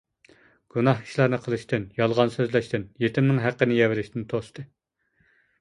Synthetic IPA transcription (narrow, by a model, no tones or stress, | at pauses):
ɡ̥unɑɦi̥ʃlˠɑɾnɨqʰəlˠɨʃt̪ɪnjɑlˠʁɑnsøzlɛʃt̪ɪnjet̪ʰɪmnɪŋɦæqːənɪjɛvɪlɪʃt̪ɪnt̪ʰost̪ɨ